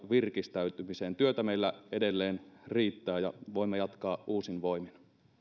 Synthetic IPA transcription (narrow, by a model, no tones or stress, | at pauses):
ʋirkist̪æyt̪ymiseːnt̪yøt̪æmeilːæedelːeːnriːt̪ːæːjɑʋoimːɑjɑt̪kɑːʔuːsinʋo̞imin